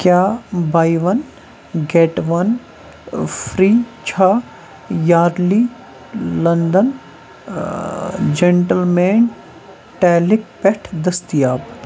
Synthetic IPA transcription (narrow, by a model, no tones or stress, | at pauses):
kjaːbaːiʋɐn | ɡeʈʋɐn | fʰɾiːt͡ʃʰaː | jaːɾli | lɐnd̪ɐn | d͡ʒeɳʈɐlmeːɳ | ʈɛːlɪk̚pɛʈʰd̪ɐst̪ijaːb